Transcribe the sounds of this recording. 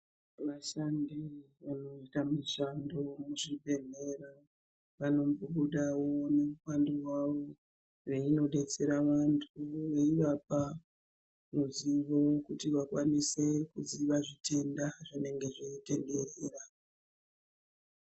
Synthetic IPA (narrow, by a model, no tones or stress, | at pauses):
ʋaʃandi | ʋano̞itamiʃando̞muʐibʱe̞n̤e̞ɾa | ʋano̞mbuɓuɗawo̞ne̞mukandiwaʋo̞ | reino̞ɗe̞t͡se̞ɾaʋantʰuʋeiʋap̚a | noziʋo̞kutiʋakwanise̞kuziʋaʐitʰe̞ndaʐine̞ŋɡe̞ʐeite̞nde̞reːra